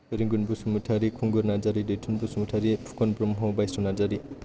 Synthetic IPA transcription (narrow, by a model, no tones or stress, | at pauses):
eɾiŋɡunbusumutʰaɾikʰuŋɡuɾnad͡ʒaɾidetʰunbusumutʰaɾipʰu̥kɔnpɾɔmɦɔbajsunad͡zaɾi